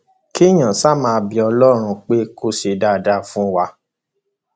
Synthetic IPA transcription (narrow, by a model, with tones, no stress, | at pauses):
ki˦j̃ã˨sa˦˨mãː˧bi˧ɔ˧lɔ˦˨ɾ̃ũ˧k͡pe˦ko˦se˧da˦˨da˦fũ˦wa˧